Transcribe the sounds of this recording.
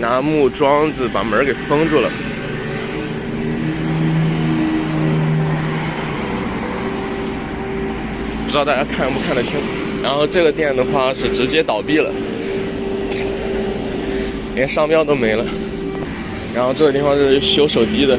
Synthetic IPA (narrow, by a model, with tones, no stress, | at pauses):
na˧˥mu˥˩ʈ͡ʂwɑ˥ŋd͡zɹ̩˧˩pa̰˨˩mə˧˥ke˨˩ɪfɤ˥ŋʈ͡ʂu˥˩lə̰˩ | pu˥˩ɻ̩˧˥˧t̪a˥˩t͡ɕja˥kʰa˥˧npu˥˧kʰa˥˩nlə˩t͡ɕʰi˥ŋ˩ | ɻa˧˥nxo˥˧ʊʈ͡ʂɤ˥˩ɡə˩t̪jɛ˥˩nd̪ə˩xwa˥˧ʂɻ̩˥˩ʈ͡ʂɻ̩˧˥t͡ɕjɛ˥t̪ɑ˨˩ʊpi˥˩lə̰˩ | i˧˥e˥˧ʂɑ˥˧ŋpjɑ˥˧t̪o˥ʊme˧˥ɪlə˧ | ɻa˧˥nxo˥˧ʊʈ͡ʂɤ˥˩ɡə˩i˥˩fɑ˥˧ʂɻ̩˥˩ɕjo˧˥ʊʂo˨˩ʊt̪i˥d̪ə˨